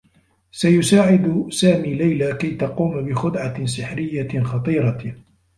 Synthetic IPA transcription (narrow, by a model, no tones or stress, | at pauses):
sajʊsaːʕɪd̪saːmiːlajlakajt̪ɑquːmbɪxʊd̪ʕasɪħɾɪjːaxɑt̪ˤiːɾɑ